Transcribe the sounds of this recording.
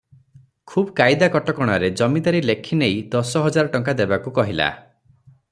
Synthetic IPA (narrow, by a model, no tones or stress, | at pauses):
kʰubɔkajd̪akɔʈɔkɔɽ̃aɾed͡ʒɔmid̪aɾilekʰinejd̪ɔsɔɦɔd͡ʒaɾɔʈɔŋkad̪ebakukɔɦila̰